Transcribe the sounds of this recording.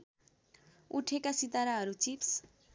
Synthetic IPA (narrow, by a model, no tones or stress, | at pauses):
uʈʰekasit̪aɾaɦʌɾut͡sips